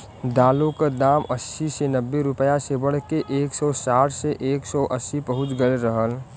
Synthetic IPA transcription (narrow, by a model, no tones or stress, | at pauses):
d̪aːlokad̪aːməsisenəbːeɾʊpəjasebəɽkeʔeːksɔsaːʈʰseʔeːksɔʔəsːipəɦʊt͡ʃɡəlɾəɦəl